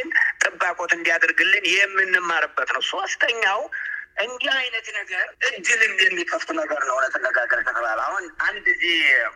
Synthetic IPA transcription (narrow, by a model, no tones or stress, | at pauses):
ɨnt̪ʼɨbːakʼo̞t̪ɨnd̪ijad̪əɾɡɨlːɨnjɪmːɨnːɨmːaɾɨbːət̪nəwswəst̪ʼʰəɲːawʔɨnd̪iajnət̪nəɡəɾʔɨd͡ʒɨlɨnjɛmːikʰəft̪ʰʼunəɡəɾnəwnət̪ʰːənːəɡaɡəɾk̪ʰət̪ʰəβala̰hunʔand̪ɨzih